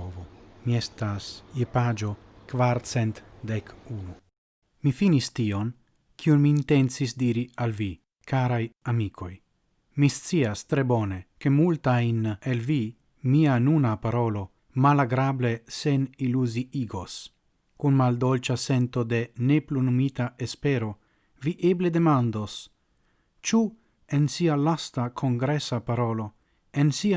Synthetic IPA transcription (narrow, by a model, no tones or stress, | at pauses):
vomiest̪asjepad͡ʒo̞ | kvaɾt͡sent̪d̪ekunu | mifinist̪ion | kʰiunmiːnt̪ent͡sisd̪iɾialvi | kaɾajamikʰo̞j | mist͡siast̪ɾe̞bone̞ke̞mult̪ajnelvi | mianunapaɾo̞lo̞ | malaɡɾable̞se̞niluziiɡo̞s | kunmald̪olt͡ʃase̞nt̪o̞d̪e̞ne̞plunumit̪aespe̞ɾo̞ | viʔeble̞d̪e̞mand̪o̞s | t͡ʃu | ensialastakʰo̞ŋɡɾesapaɾo̞lo̞ | ensi